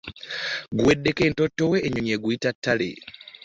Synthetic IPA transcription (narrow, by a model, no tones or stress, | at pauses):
ɡuwe̞dːe̞ke̞ːntotːoweːɲoɲeɡwiːtatːalḛ